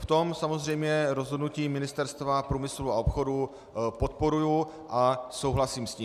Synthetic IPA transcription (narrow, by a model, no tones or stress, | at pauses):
ft̪o̞msamo̞zr̝ɛjmɲɛɾo̞zɦodnuciːmɪnɪst̪ɛɾst̪vapɾuːmɪsluao̞pxo̞du | pot̪̚po̞ɾuju | ʔaso̞wɦlasiːmsci